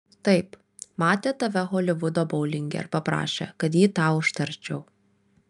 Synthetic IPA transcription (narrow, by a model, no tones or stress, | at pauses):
t̪ɐɪp | mɑːt̪ʲet̪ɐʋʲɛxɔːlʲɪʋʊd̪oːbɐʊlʲɪŋʲɡʲɛ̰ɾpɐpɾɑ̰ːʃʲḛkɐt̪jiːt̪ɑːʊʃt̪ɐɾʲt͡ʃʲɛʊ